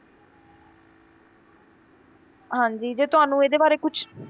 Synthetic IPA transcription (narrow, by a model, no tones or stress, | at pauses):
ɦãːɲd͡ʒiːd͡ʒeːt̪ʊɦaːnũːeːd̪eːbaːɾeːkʊt͡ʃʰ